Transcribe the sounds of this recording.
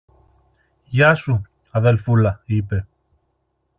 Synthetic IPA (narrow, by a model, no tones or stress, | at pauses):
ʝɐsu | ɐðe̞lfulɐipe̞